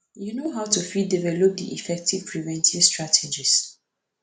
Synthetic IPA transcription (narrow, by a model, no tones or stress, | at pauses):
junoɦaʊtufidivɛlɔp̚diʔifɛk̚tiv̥pʰɹivɛ̃ntivstɹatʰed͡ʒis